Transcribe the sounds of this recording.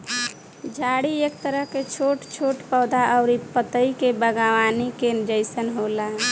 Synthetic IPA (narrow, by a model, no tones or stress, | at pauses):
d͡ʒʱaɽiek̚t̪əɾəɦket͡ʃʰoʈt͡ʃʰoʈpəːd̪aʔəʊɾipət̪əikebəɡaʋanikenɪd͡ʒəɪsənɦolaɦ